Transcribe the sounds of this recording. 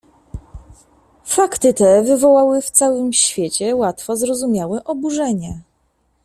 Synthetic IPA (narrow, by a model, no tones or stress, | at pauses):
fakt̪ɘt̪ɛvɘvɔwawɘft̪sawɘmɕfʲjet͡ɕɛwat̪fɔzɾɔzumʲjawɛʔɔbuʐɛɲɛ